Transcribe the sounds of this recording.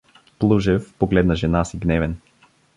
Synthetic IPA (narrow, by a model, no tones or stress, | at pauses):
plˠuʒɛfpoɡlɛd̪nɐʒɛnasiɡnɛvɛn